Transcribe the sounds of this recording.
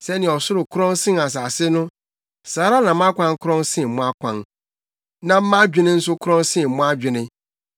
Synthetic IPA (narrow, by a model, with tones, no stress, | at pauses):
sɛ˦nɪ̃˨ɔ˨sʊ˦ɾʊ˨kʰʊ˦ɾɔ̃˦n˦sɪ̃˦na˨s̬aː˨sɪ˦nʊ̃˦ | saː˨˦ɾa˦nã˨m˦ã˦kʷʰã˦ŋ˦kʰʊ˦ɾɔ̃˦nsɪ̃˦˨m̩˨mʊ̃˦a˦kʷʰã̰˨n | nã˨m̩˦mã˦d͡ʑᶣɪ˦nɪ̃˦n̩˦sʊ˦kʰʊ˦ɾɔ̃˦n˦sɪ̃˦˨mʊ̃˦a˦d͡ʑᶣɪ˨nɪ̃˦